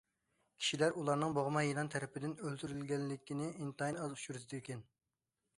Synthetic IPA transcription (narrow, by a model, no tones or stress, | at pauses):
kʲʰi̥ʃilæɾulˠɑɾnɨŋboʁmɑjinɑnt̪ʰɛɾɪpʰɪd̪ɪnølt̪yɾylɡʲɛnlɪkʲʰinɪint̪ɑjnɑzuʃuɾsɨd̪ekʲʰɛn